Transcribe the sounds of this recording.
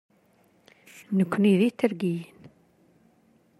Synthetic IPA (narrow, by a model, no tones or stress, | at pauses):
nəkʷːniðit̪ːəɾɡijin